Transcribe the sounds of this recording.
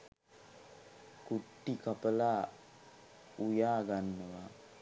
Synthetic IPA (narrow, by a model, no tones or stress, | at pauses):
kuʈːikapəlaː | ujaːɡanːəʋa